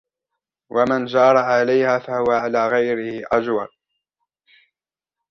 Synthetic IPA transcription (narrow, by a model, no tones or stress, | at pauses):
wʔamand͡ʒɑːɾˤɑʕalajhaːfahʊwaʕalaːɣajɾɪhɪʔad͡ʒwal